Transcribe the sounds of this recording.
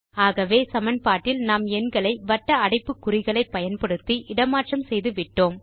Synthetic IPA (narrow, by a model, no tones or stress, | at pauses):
aːɣɐʋeːsɐmɐnpaːʈːɪlnaːmɛnɡɐɭɐɪʋɐʈːɐɐɽɪpːɯkːʊɾɪɣɐɭɐɪpːɐjɐnpɐɽɯt̪ːiʔɪɽɐmaːʈrɐmsɛjðɯʋɪʈːoːm